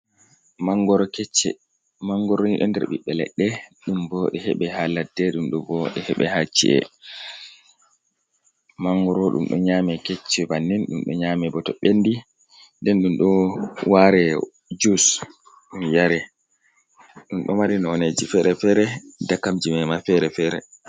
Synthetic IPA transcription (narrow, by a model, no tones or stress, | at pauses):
maŋɡɔɾɔkɛt͡ʃːɛ̰ | maŋɡɔɾɔniɗɔndɛ̰ɾɓiɓːɛlɛ̰ɗːɛɗumbɔɗɛhɛɓɛhaladɛɗumɗɔbɔɗɛhɛɓɛ̰hat͡ʃːḭʔɛ̰ | maŋɡɔɾɔɗṵmɗɔ̰ɲaːmɛkɛt͡ʃːɛbanːɛnɗumɗɔ̰ɲamɛbɔtɔɓenːdi | ndɛnɗumɗɔwaɾɛ | d͡ʒus | ɗumjaɾɛ | ɗumɗɔmaɾinɔhɔned͡ʒifɛɾɛfɛɾɛdakːamd͡ʒimɛmafɛɾɛfɛɾɛ̰